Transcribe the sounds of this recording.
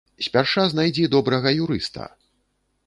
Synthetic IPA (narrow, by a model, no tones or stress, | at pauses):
sʲpʲarʂaznajd͡zʲɛd̪ɔbɾɐɣɐjuɾɨ̰st̪ɐ̰